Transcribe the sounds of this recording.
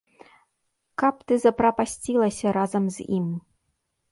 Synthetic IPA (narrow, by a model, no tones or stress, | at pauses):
kɐp̚t̪ɨzɐpɾɐpasʲt͡sʲilˠɐsʲɐɾazɐmzʲim